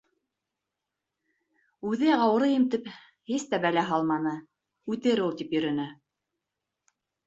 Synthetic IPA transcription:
ʉðɘɑw̆ɾɤjɘ̆mt̪ɘp | hist̪æbælæɦɑlˠmɑnɤ | ʉt̪ɘɾulˠt̪ipjɵ̆ɾɵ̆nɘ

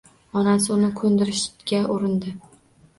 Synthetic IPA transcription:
ɒnasɪʊnɪkʰɵnd̪ɪɾɪʃɡʲaʔʊɾɪnd̪ɪ

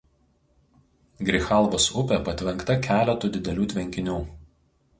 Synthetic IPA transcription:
ɡɾʲɪxɑˑlˠʋoːsʊpʲeːˑpɐt̪ʲʋʲɛŋˑkt̪ɐkʲæːlʲɛt̪uːd̪ʲɪd̪ʲɛlʲuːt̪ʲʋʲɛŋʲkʲɪnʲuː

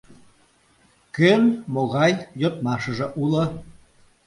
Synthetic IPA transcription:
kønmoɣɑjjot̪mɑʃəʒĕʔulə

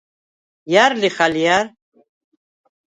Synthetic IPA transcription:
jarliχaljar

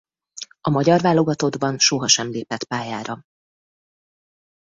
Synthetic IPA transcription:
ɒmɒɟɒrvaːlo̞ɡɒt̪o̞d̪bɒnʃoɦɒʃɛmleːpɛt̪paːjaːɾɒ

